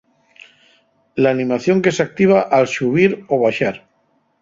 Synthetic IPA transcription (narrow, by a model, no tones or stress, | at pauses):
laːnĩmaθjoŋkesak̚t̪iβ̞aʔalʃuβiɾoβ̞aʃaɾ